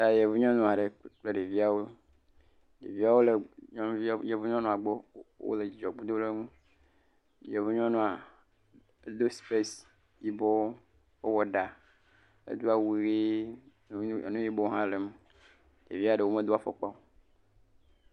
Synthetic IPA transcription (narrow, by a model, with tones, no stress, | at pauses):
ta˨je˨vu˦ɲɔ̃˦nũ˦˨a˨ɖe˨k͡ple˦ɖe˨vi˦a˨wo˦ | ɖḛ˨vi˦a˦wo˦le˨ɲɔ̃˦je˨vu˦ɲɔ̃˦nɔ̃˨a˨ɡ͡bo˦wo̰˦le˨d͡ʒɔ˨ɡ͡bu˦d̪o˦le˦ŋũ˦ | je˨vu˦ɲɔ̃˦nũ˦a˨˦ | d̪o˦spe˦s | ji˦bɔ˦wo˦ | e˦wɔ˨ɖa˨ | ḛ˦d̪u˦a˨wu˨ɣe˦˨ | nũ˦ji˦bɔ˦ɦã˦le˨m˨ | ɖḛ˨vi˦a˨ɖe˨wo˦me˦d̪o˦a˨fɔ̰˨k͡pa˦